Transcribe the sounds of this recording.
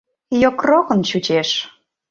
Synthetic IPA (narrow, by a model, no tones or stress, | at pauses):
jokrokə̆nt͡ɕut͡ɕeʃ